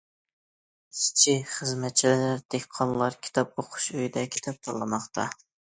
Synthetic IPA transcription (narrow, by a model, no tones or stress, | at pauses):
si̥t͡ʃʰiχəzmɛt̪̚t͡ʃʰilɪlɪɾd̪̥ekʲqʰːɑnlˠɑɾkʲʰi̥t̪ʰɑp̚oqʰʊ̥ʃøjd̪ɛkʲʰi̥t̪ʰɑp̚t̪ʰɑɾlˠɨmɑχt̪ʰɑ̰